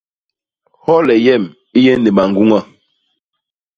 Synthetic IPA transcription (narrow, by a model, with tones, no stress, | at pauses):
hɔ˦lɛ˨jɛ˦˨m | i˦jɛ˦ne˨ɓa˨ŋɡu˦ŋa˦˨